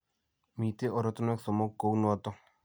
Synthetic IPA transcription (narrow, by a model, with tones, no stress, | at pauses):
mi˨t̪e˦ʔɔ˨ɾɔ˦t̪u˦nɛ˦ksɔ˨mɔ˦kːo˨wnu˦ɔ˦t̪ɔ˦